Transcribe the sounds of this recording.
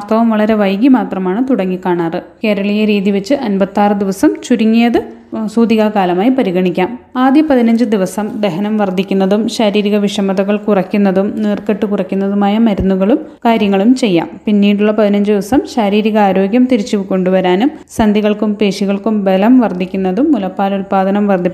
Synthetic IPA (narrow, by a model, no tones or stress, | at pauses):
ast̪ʰɐʋɐmʋɐɭɐɾe̞ʋɐjɡimaːt̪rɐmaːɳɨt̪uɽɐŋːikːaːɳaːrɨke̞ːɾɐɭɐjɐɾiːðiʋet͡ɕːɨʔɐnbɐt̪ːaːrɨd̪iʋɐsɐmt͡ɕuɾuŋːijɐðɨ | suːd̪iɣakaːlɐmaːjipɐɾiɣɐɳikʲːaːmaːd̪jɐpɐðinɐɲd͡ʑɨd̪iʋɐsɐmd̪e̞ɦɐnɐmʋɐrd̪ʱːikʲːunːɐðumɕɐɾiːɾiɣɐʋiʂɐmɐðɐɣɐɭkurɐkʲːunːɐðumneːrkeʈːɨkurɐkʲːunːɐðumaːjɐmɐɾunːuɣɐɭum | kaːɾjɐŋːɐɭumt͡ɕe̞jːa̰ːmpinːiːɽuɭːɐpɐðinɐɲd͡ʑɨd̪iʋɐsɐmɕɐɾiːɾiɣɐaːɾo̞ːɡjɐmt̪iɾit͡ɕːuʋko̞ɳɖuʋɐɾaːnum | sɐnd̪iɣɐɭkumpeːɕiɣɐɭkumbelɐmʋɐrd̪ʱikʲːunːɐðumːulɐpːaːlulpaːd̪ɐnɐmʋɐrd̪ʱi